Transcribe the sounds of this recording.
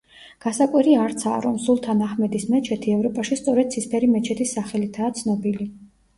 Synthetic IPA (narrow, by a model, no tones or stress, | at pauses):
ɡ̥asakʼwiɾiaɾt̪sʰa̰ːɾɔmsulˠt̪ʰanaχmɛd̪ismɛt͡ʃʰɛt̪ʰiɛvɾɔpʼaʃist̪sʼɔɾɛd̪̚sʰispʰɛɾimɛt͡ʃʰɛt̪ʰisːaχɛlit̪ʰaːt̪sʰnɔbili